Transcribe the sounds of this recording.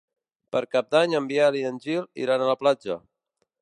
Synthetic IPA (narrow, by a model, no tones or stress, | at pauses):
pəɾkap̚d̪aɲəmbialiənʲʒilḭɾanələplad͡ʒə̰